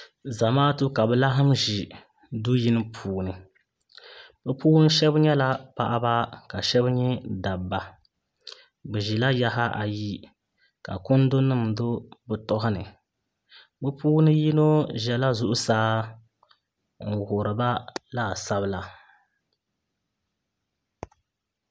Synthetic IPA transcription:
za˨maː˦tu˦ka˨bɛ˨la˦ɦɨ˦m˦ʒi˨ | du˦ji˦nɨ˦pʰuː˨nɨ˨ | bɛ˦puː˦nɨ˦ʃɛ˦bɲɛ˦la˦pa˨ʔa˦ba˦ka˨ʃɛ˦bɲɛ˦da˨bːa˨ | bɛ˨ʒi˨la˦ja˦ɦa˦ʔa˨ji˦ | ka̰˨kʊ˦n˦do˦nɨ˦˨m˨do˦bɨ˨tɔ˦ɦʊ˦nɨ˨ | bɛ˦pʰuː˦nɨ˦ji˦no˦ʒɛ˨la˦zʊ˨ʔʊ˦saː˦ | ŋ̩˨ɣʊ˨ɾɨ˨ba˦la˦˨sa˦βɨ˦la˨

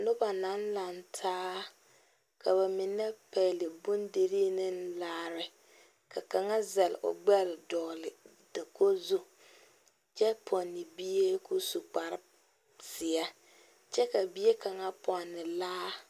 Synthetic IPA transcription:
nʊ˦ba˨na˨˦nla˨ntʰaː˦ | kʰa˨βa˨mɪ˨nːɛ˦pɛ˨lɪ˨bʊ˦nde˨ɾiː˦nɪ˦n˦laː˦ɾɪ˨ | kʰa˨ka˨ŋa˦zɛ˨lʔʊ̰˨ɡ͡bɛ˦lɪ˨dɔː˨lɪ˨ | dɪ˨ko˦zu˦ | t͡ʃɛ˦pʰɔ˨nːɪ˨bi˦je˦ku˦su˨k͡pa˨ɾɪ˦ | sɪ˨a˦ | t͡ʃɛ˦ka˨bi˦je˦ka˨ŋa˦pɔ˨nːɪ˨laː˦

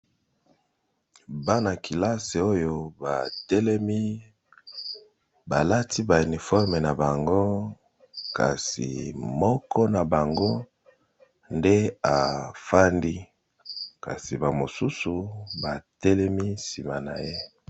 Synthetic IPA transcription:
ba˦na˨kʰi˨la˦se˨o˦jo˨ba̰˨tɛ˦lɛ˦mi˦ | ba˨la˦ti˦ba˨u˨ni˨fɔ˦ʁme˨na˨ba˨ŋɡo˦ | ka̰˨sḭ˨mɔ˦kʰɔ˦na˨ba˨ŋɡo˦ | nde˦a˨fa˦ndi˦ | ka̰˨si˨ba˨mo˨su˦su˨ba˨tɛ˦lɛ˦mi˦si˨ma˨na̰˨je˦

